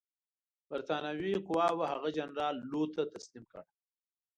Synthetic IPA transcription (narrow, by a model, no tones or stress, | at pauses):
baɾt̪ɑːnawiqʊwɑːwahaɣad͡ʒanɾɑːlːot̪at̪aslimkəɽ